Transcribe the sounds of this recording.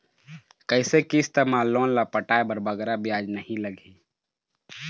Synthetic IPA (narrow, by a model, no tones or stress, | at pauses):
kəɪsekiɪst̪emaːlːoːnlapəʈaːebəɾbəɡɛɾabɪjaːd͡ʒnəɦĩləɡʱẽ